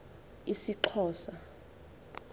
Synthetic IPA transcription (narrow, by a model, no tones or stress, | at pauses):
isiǁʰɔːsa